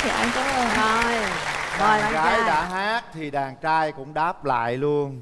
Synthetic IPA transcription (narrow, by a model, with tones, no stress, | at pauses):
t̪ʰi˨˩ʔa˧jŋkʊ˨˦lə˨˩o˧jvɔ˨˩˨ɣaː˨˦jɗa̰ː˧˥ɦaː˦˥k̚t̪ʰi˨˩ɗaː˨˩ŋt͡ɕaː˧jkʊ̰˧˥ŋ͡mɗaː˦˥p̚la̰ː˧˨jlu˧ən